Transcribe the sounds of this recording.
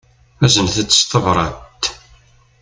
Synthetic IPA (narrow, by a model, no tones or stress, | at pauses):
æzənθət͡sːə̥st̪ˤəvɾˤɑtt̪ː